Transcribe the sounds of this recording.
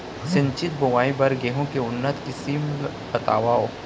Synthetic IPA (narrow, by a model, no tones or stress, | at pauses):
sɪ̃ɲt͡ʃɪt̪̚bʊʋaːibɐɾɡeːɦõkeʊnːət̪kisiːml | bɐt̪a̰ːʋaːoː